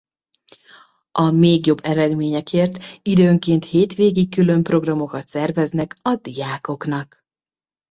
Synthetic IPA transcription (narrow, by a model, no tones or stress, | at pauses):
ʔɒmeːɡjo̞bːɛɾɛd̪meːɲɛkʰeːrt̪id̪øːŋkeːnt̪heːt̪ʋeːɡik̚kylø̞mpro̞ɡrɒmo̞kɒt̪sɛrvɛznɛkɒd̪ijaːko̞knɒk